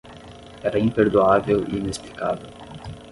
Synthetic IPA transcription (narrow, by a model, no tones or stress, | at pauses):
ɛɾɐĩmpeɾd̪uavewḭinesplikavew